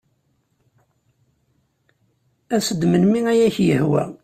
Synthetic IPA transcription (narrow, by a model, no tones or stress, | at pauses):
æsəd̪mənmiæjæçjəhwæ̰